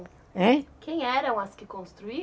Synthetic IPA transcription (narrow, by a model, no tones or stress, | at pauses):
ɛkẽj̃ɛɾɐ̃w̃ɐskɪkõst̪ɾui